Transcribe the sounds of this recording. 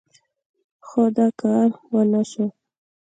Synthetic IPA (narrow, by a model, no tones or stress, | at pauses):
xod̪ɑkɑɾwənaʃo